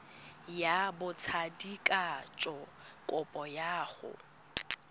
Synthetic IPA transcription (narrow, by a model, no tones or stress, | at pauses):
jabʊt͡sʰadikʼat͡ʃʼɔkʼʊpʼɔjaːɣʊ̰